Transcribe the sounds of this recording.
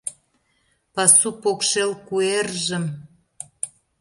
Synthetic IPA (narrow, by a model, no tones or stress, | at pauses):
pɑsupokʃelkuerʒə̆m